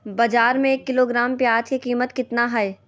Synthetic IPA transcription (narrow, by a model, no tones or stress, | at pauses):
bɐd͡ʒaːɾmẽeːkːɪloːɡɾaːmpjaːd͡ʒkikiːmət̪kɪt̪naɦɐe